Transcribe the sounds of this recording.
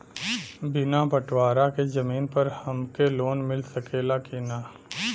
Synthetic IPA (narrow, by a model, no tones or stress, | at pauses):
bɪnapɐʈʰwaːɾakezɐmiːnpɐɾhɐmkeloːnmɪlsɐkeːlakeːnaː